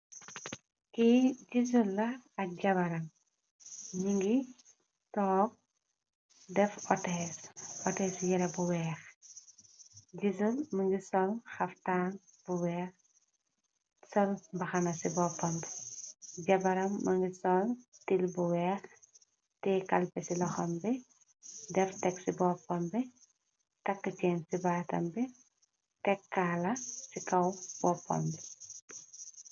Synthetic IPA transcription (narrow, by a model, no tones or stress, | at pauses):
kiɟiz̬ulːɐɐk̚ɟɐbɐɾɐm | ɲiŋɡi | tɔːk̚ | dɛfɔtɛːsɔtɛːsjɛɾɐbuwɛːx | ɟizulməŋɡisɔlxɐftaːn | b̥uwɛːx | sɔlbɐxɐnɐsibɔːpːɐmbɛ̥ɟɐbɐɾɐmːɐŋɡisɔltilbuwɛːɾ | tɛːkɐlpɛsilɐxɐmbɛ | dɛɾtɛksibɔːpːɐmbɛ | tɐkːəcɛːnsibaːtɐ̰mbɛ | tɛkːaːlɐsikɐwb̥ɔːpːɔ̰mbɛ